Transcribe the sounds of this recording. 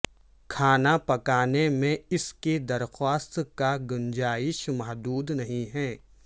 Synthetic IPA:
kʰaːnapɐkaːnemẽɪsked̪ɐɾxwaːst̪kaɡʊnd͡ʒaːɪʃmɐɦd̪uːd̪nɐɦĩɦɛː

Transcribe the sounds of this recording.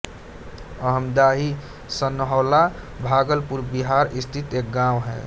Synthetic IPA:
əɦəmd̪aɦi | sənɦɔːla | bʱaɡəlpuɾbiɦaɾist̪ʰit̪ek̚ɡãwɦɛ̰

